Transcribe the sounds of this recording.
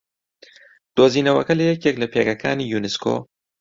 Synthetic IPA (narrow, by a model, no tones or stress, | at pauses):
d̪̥oːziːnɐwɐ̰kɐlɐjɛkjeklɐpʰeːɡɐkʰaːniːjuːnɪskʰo̰ː